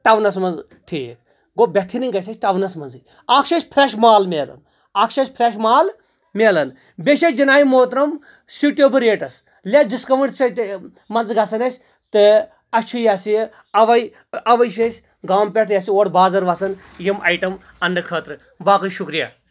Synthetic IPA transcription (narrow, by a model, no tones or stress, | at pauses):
ʈɐʋnɐs̬mɐnz | ʈʰiːk | ɡobʲet̪ʰːiniɡɐs̬ʲɐsʈɐʋnɐsmɐnzɨ | akʰʃɐt͡ʃʲpʰɾeʃmaːlmeːlɐ̰n | aːkʃɐt͡ʃʲpʰɾeʃmaːl | meːlɐn | bʲeʃet͡ʃd͡ʒinaːjimoːt̪ɾɐm | siʈoːbɨɾeːʈɐs | lediskɐʋɐɳʈt͡sɐt̪ | mɐnzɡɐsɐnɐsʲ | t̪ɨ | ɐt͡ʃʰujasi | ɐʋɐj | ɐʋɐjʃ̬esʲ | ɡaːmpʲeʈjasioːʈbaːzɐɾʋɐsɐn | jimʔɐjʈɐm | ɐnɖɨkʰəːt̪ɾɨ | baːkɐjʃukɾija̰ː